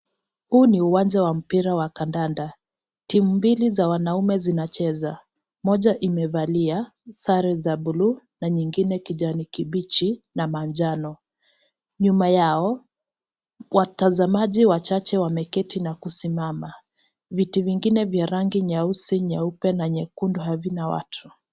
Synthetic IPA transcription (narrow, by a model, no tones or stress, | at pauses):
huːniuwand͡ʒawam̩piɾawakandanda | timumbilizawanaumɛzinat͡ʃɛza | mɔʄaʔimɛvalia | saɾɛzabulu | naɲiŋɡinɛkiʄanikibit͡ʃinamand͡ʒanɔ | ɲumajaɔ | watazamaʄiwat͡ʃat͡ʃɛwamɛkɛtinakusimama | vitiviŋɡinɛvjaɾaŋɡiɲausiɲaupɛnaɲɛkundɔɦavinawa̰tʰu̥